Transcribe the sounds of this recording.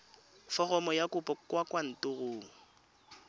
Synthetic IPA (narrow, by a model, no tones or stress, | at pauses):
fɔɣɔmɔjakʼʊpʼɔkwakʼwan̩tʊɣʊːŋ̩